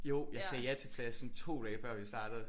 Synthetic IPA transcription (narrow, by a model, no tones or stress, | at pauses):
jo̝ʊ̰jɑsɛjæt͡sʰe̝pʰlæsnt͡sʰo̝̰ːd̥ɛːfɶɐ̰ʋisd̥ɑ̈ːd̥əð̩ˠ